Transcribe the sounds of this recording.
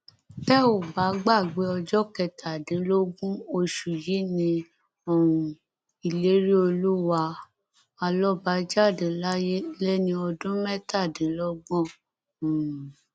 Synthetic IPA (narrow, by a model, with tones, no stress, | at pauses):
tɛ˦o˨ba˨˦ɡ͡ba˦˨ɡ͡be˨˦ɔ˧d͡ʒɔ˦kɛ˧˨tʰa˨dĩ˨˦lo˦ɡũ˦o˧ʃu˨ji˨˦nĩ˧ | ɔ˦˨wũ˨ | i˨le˨˦ɾi˦o˧lu˦wa˧˦ | a˧lɔ˦ba˨˦d͡ʒa˦˨dĩ˨˦la˦je˦lɛ˦nĩ˧ɔ˧dũ˦mɛ˦ta˦˨dĩ˨˦lɔ˦ɡ͡bɔ̃˦˨